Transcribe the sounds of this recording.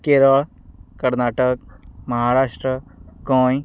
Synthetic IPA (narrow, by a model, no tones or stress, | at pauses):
keːɾəɭ | kəɾnaːʈəkmɐɦaːɾaːʃʈɾəkõːj